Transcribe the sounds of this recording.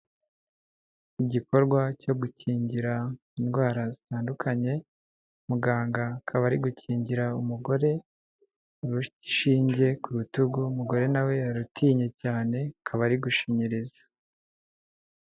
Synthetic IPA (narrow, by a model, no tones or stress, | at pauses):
iɟiko̞ɾɡwaco̞ɡuciːɲɟiɾa | inɡwaːɾazitaːndukʰaɲe̞ | muɡaːŋɡakʰaβaɾiɡuciːɲɟiɾaumuɡo̞ɾe̞ | ɾuiʃiːɲɟe̞kuɾutuɡumuɡo̞ɾe̞nawe̞aɾutʰiːɲe̞caːne̞kʰaβaɾiɡuʃiɲiɾizḁ